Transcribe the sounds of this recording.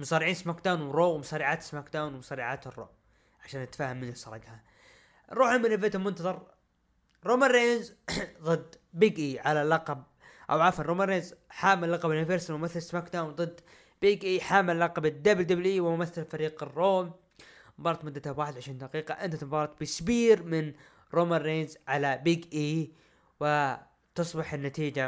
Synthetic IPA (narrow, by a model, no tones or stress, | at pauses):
mʊsˤɑːɾɪʕiːnsmaːkd̪aːnwɾoːwmʊsˤɑːɾiʕaːt̪ɪ̥smaːkd̪aːwnwmʊsˤɑɾiːʕaːt̪ɨrˤːo̰ːʔ | ʕaʃaːnːɪt̪ːḁfaːhamːɪnɪsˤɑɾˤɑɡha | ɾˤuːħɪmɪnɪet̪amʊnt̪ɑðˤɑɾˤ | ɾoːmanɾeːnzðˤɨd̪ | biːɡʔiʕalalɑqɑb̚ | ʔa̰wʕafanɾˤoːmanɾːeːnzħaːmːɪlːɑqɑbnɪfeɾsɾimʊmaθalsmakt̪awðˤɨd̪ː | b̥iːɡʔiːħaːmːɪlːɑqɑbɪd̪ːabld̪ablʔiːwɪmʊmaθːalfaɾiːqɪrːoːm | bɑːɾˤɑt̪mʊd̪ːat̪abwaːħɪd̪ʕaʃiːnd̪aqiːqɑʔɪnt̪at̪ɪmbɑːɾˤɑt̪̚bɪsbiːɾmɪn | ɾomanrːeːnzʕalabiɡʔiː | wɪ | t̪ɨsˤbɪħɪnːat̪iːd͡ʒa